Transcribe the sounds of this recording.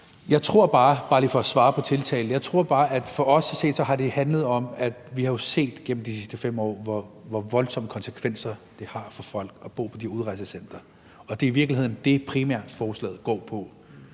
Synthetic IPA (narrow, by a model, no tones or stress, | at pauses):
jɑ̈ɪt͡sʰʁo̝ɐ̰b̥ɑ̈ːb̥ɑ̈ːliːfɒ̽sʋɑ̈ːpʰɒ̽t͡sʰe̝lt͡sʰɛ̰ːln̩jɑ̈ɪt͡sʰʁo̝ɐ̰b̥ɑ̈ːʔæd̥fɒ̽ɒ̽sse̝̰ːd̥sɒhɑ̈ɾe̝hænləð̞̩ˠɒ̽mæd̥ʋihɑ̈jo̝se̝̰ːd̥ɡ̥en̰m̩d̥isisd̥əfem̰ɒ̰ːʋɒʋɒʋɒ̽lsɒ̽məkʰɒ̽nsə̥kʰʋen̰sɐd̥e̝hɑ̈fɒ̽fɒ̽l̰ɡ̥ɒb̥o̝̰ːpʰɒ̽d̥iuðˠʁɑ̈ɪsəsen̰d̥ɐ | ɒ̽d̥e̝iʋiɐɡ̥lihe̝ð̰ˠn̩d̥e̝pʰʁimæɐ̰d̥fɒːslɛ̰ːð̩ˠɡ̥ɒ̰ːpʰɒ̽